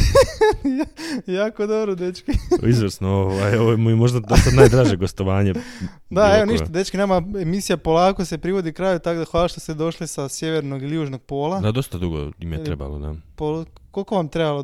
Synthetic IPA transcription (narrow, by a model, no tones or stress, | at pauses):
jajaːkod̪o̞bɾod̪et͡ʃkiizʋəɾsnooʋajoʋoemujemo̞ʒd̪ad̪ost̪anajd̪ɾaːʒeɡost̪oʋaːɲe | d̪aeʋo̞niʃt̪ad̪et͡ʃkineːmaemisijapo̞lˠaːkosepɾiʋo̞d̪ikɾaːjut̪akd̪axʋaːlˠaʃt̪o̞st̪ed̪o̞ʃlisasje̞ʋeɾnoɡiljuːʒno̞ɡ̥̚po̞ːlˠad̪ad̪o̞st̪ad̪uɡo̰imjeɾeba̰lo̰d̪a̰polkolko̞ʋamt̪ɾebalo